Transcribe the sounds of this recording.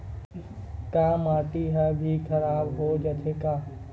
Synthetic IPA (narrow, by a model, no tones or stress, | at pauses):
kamaːʈiɦɛbʱikʰɐɾaːbɦod͡ʒɐt̪ʰekaː